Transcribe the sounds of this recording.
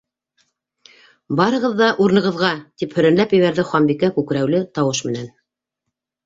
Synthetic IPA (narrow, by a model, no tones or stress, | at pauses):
bɑɾɤ̆ʁɤ̆ðːɑʔuɾnɤ̆ʁɤ̆ðʁɑt̪iphɵ̆ɾænlæpjɘ̆βæɾðɘχwɑmbikækʉkɾæwlɘt̪ɑwɤʃmɘ̆næn